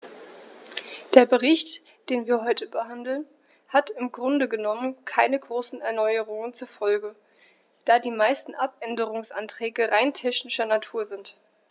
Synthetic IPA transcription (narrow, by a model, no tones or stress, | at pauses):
d̥eːɐbəʁɪçt | d̥eːnviːɐɦɔʏtəbəɦandl̩n | hatɪmɡʁʊndəɡənɔmənkʰaɪnəɡʁoːsn̩ɛɐnɔʏəʁʊŋənt͡suɐfɔlɡə | d̥aːdiːmaɪstn̩ʔapʔɛndəʁ̞ʊŋsʔa̰ntʁ̥ɛːɡəʁaɪntʰɛçnɪʃɐnatʰuːɐzɪnt